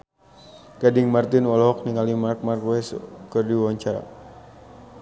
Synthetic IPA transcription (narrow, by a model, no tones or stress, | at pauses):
ɡ̥adɪŋmart̪ɪnwɔlɔɦɔk̚niŋalimark̚markwɛskərdiwawaɲt͡ʃaɾa̰